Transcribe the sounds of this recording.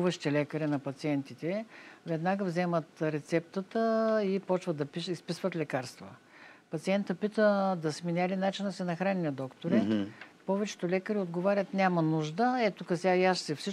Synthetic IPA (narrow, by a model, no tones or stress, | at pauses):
vəʃt̪ɛlɛkəɾinɐpɐt̪siɛnt̪it̪ɛvɛd̪naɡəvzɛmət̪ɾɛt̪sɛp̚t̪ət̪əipɔt͡ʃvət̪d̪ɐpiʃispisvət̪lʲɛkaɾst̪və̰ | pɐt̪siɛnt̪əpit̪əd̪ɐsminʲalinat͡ʃinsɛnɐxɾanʲinɐd̪ɔkt̪oɾɛpɔvɛt͡ʃɛ̥t̪olɛkəɾiod̪ɡovaɾʲət̪nʲamɐnuʒd̪əɛt̪okɐsʲaaʃsɛfsi